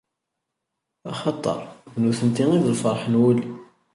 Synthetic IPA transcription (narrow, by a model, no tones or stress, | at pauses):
ɑχɑt̪ˤːɑ̰ɾˤnuθənt̪iŋiðlfəɾˤħənwulː